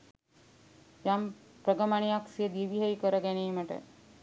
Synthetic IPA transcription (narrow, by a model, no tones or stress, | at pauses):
jampɾəɡɐmaɳ̃ijaksijed̪iʋiɦəjkəɾɐɡæneːmɐʈə̰